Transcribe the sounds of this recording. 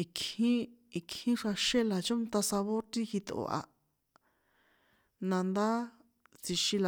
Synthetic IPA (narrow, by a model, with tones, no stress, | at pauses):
i˧khĩ˦ | i˧khĩ˦ʂa˧ʃe˦la˨t͡ʃõ˦nt̪a˧sa˧βo˦ɾt̪i˦xi˧t̪o̰˨ʔa̰˧ | nã˧nd̪a˦ | t͡si˧ʃĩ˧la˨